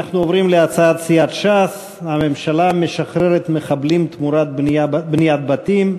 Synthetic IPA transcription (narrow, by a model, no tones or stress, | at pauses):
aχnuovɾimleat͡saat̪siat̪ʃas | hame̞mʃalame̞ʃaχɾeɾet̪me̞χablimt̪muɾat̪̚bnijat̪̚bat̪im